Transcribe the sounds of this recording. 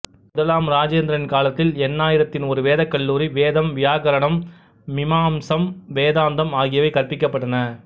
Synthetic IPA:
mʊðɐlaːmɾaːd͡ʒeːnd̪ɾɐnɪnkaːlɐt̪ːɪlɛnːaːjɪɾɐt̪ːɪnɔɾɯʋeːðɐkːɐɭːuːɾiʋeːðɐmʋɪjaːkɐɾɐɳɐmː | ɪmaːmsɐmʋeːðaːnd̪ɐmaːɣɪjɐʋɐɪkɐrpɪkːɐpːɐʈːɐnɐ

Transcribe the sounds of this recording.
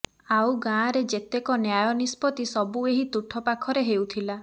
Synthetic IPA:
awɡãːɾed͡ʒet̪ekɔnjajɔnispɔt̪isɔbueɦit̪uʈʰɔpakʰɔɾeɦewt̪ʰila

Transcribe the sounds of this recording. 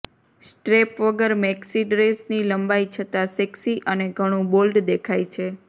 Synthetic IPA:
sʈɾepʋəɡəɾmeksiɖɾesniləmbait͡ʃʰət̪asɛksiʔəneɡʱəɽ̃ũbolɖd̪ekʰajt͡ʃʰe

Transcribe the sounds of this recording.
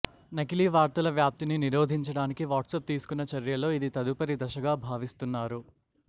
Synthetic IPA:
nɐkiliːʋaːɾt̪ɐlɐʋjaːp̚t̪ininiɾo̞ːd̪ʱiɲt͡ʃɐɽaːnikiʋaːʈsɐp̚t̪iːsu̥kunːɐt͡ʃɐɾjɐlo̞ːid̪it̪ɐd̪upɐɾid̪ɐʃɐɡaːbʱaːʋist̪unːaːɾu

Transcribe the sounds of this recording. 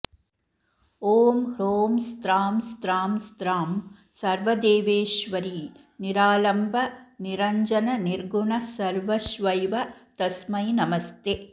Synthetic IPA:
oːmhɾoːmst̪ɾaːmst̪ɾaːmst̪ɾaːm | sɐɾʋɐd̪eːʋeːʃʋɐɾi | niɾaːlɐmbʱɐniɾɐɲd͡ʒɐnɐniɾɡuɳɐsɐɾʋɐʃʋɐjʋɐt̪ɐsmɐjnɐmɐst̪e

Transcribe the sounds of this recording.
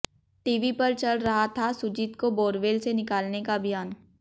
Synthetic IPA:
ʈiːʋipɐɾt͡ʃɐlɾɐɦat̪ʰasʊd͡ʒit̪koboːɾʋeːlsenɪkaːlnekabʱijaːn

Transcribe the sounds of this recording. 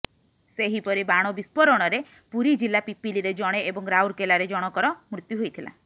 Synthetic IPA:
seɦipɔɾibaɽ̃ɔbispɔɾɔɽ̃ɔɾe | puɾid͡ʒilapipiliɾed͡ʒɔɽ̃eebɔŋɾawɾkelaɾed͡ʒɔɽ̃ɔkɔɾɔmɾut̪juɦojt̪ʰila̰

